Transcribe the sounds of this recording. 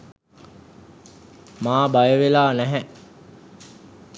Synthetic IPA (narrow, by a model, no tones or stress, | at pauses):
maːbajəʋelaːnæɦæʔ